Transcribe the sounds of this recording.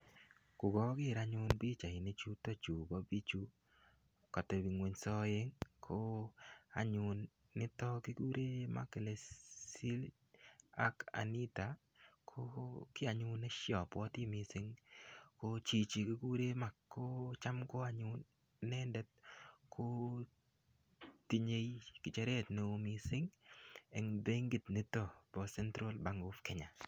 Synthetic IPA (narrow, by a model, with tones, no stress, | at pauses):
kʊ˨ɡɔ˦ɡɪ˦˨ɾa˦ɲʊ˦nbi˦t͡ʃa˨ɪ˨ne˦t͡ʃu˦to˦t͡ʃu˨ba˦bi˦t͡ʃu˦ | kɔ˨te˨bi˨ŋwe˨ɲsɔ˦je˦ŋkʰo˦a˨ɲʊ˨nː | ɪ˦tɔ˦ki˦ɡu˦ɾʔe˦ma̰˦ke˨le˨si˦l | a˦ka̰˨ni˦ta˨ | kʰo˦kɪ˦a˨ɲʊ˦nɛ˦ʃjɔ˨pwɔ˦ti˦mi˨sɪ˦ŋko˦t͡ʃi˨t͡ʃi˨ki˦ɡu˦ɾe˦ma˨kkːo˦t͡ʃa˦mko˦a˨ɲʊ˦n | nɛ˦ndɛ˦t̚kʰo˦ | ti˦ɲe˦jkɪ˨t͡ʃɛ˦ɾe˦tne˨mi˨sɪ˦ŋɛ˨ŋbe˦ŋɡɪ˨t̪nɪ˦tɔ˦˨b̥ɔ˨sɛ˦ntɾo˦lba˨ŋɡo˦fkɛ˨ɲa˨